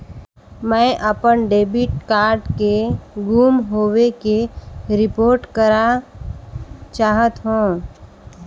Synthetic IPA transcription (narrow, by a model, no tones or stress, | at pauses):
mɛ̃ːʔəpənɖeːbiʈkaːɾɖkeɡuːmɦoːwekeɾɪpoːɾʈkəɾa | t͡ʃaːɦət̪ɦũː